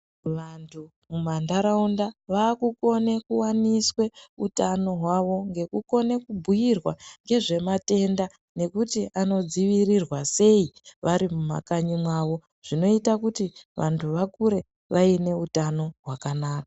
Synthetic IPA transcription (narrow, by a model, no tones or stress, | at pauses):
ʋantʰu | mumandaɾaundaʋaːkuko̞nekuwaniswe̞utano̞ɦwaʋo̞ŋɡe̞kuko̞ne̞kubʱujirwaŋɡe̞ʐe̞mate̞nda | ne̞kutiʔano̞d͡ziʋirirwase̞iʋaɾimuma̰kaɲimwaʋo̞ | ʐ̥ino̞itakutiʋʔa̰ntʰuʋakuɾe̞ | ʋʔaine̞utano̞ɦwakanaːkḁ